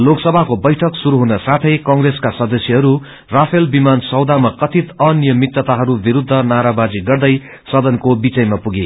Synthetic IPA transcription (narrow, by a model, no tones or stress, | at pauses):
loksʌbʱakobʌjʈʰʌksuɾuɦunʌsat̪ʰʌjkʌŋreskasʌd̪ʌsjʌɦʌɾu | rapʰelbimansʌwd̪amakʌt̪ʰit̪ʌnijʌmit̪ːʌt̪aɦʌɾubiɾud̪ʱːʌnaɾabad͡ziɡʌrd̪ʌj | sʌd̪ʌnkobit͡sʌjmapuɡe